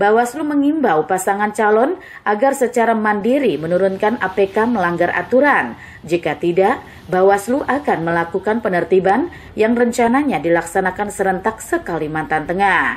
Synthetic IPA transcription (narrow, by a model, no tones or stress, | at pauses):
bawasluməŋimbawpasaŋant͡ʃalɔn | ʔaɡarsət͡ʃaɾamandiɾimənuɾunkanʔapekaməlaŋɡarʔa̰t̪uɾan | d͡ʒikat̪idaʔ | bawasluʔakanməlakukanpənərt̪iban | jaŋrəɲt͡ʃanaɲadilaksanakansəɾənt̪ak̚səkalimant̪ant̪əŋah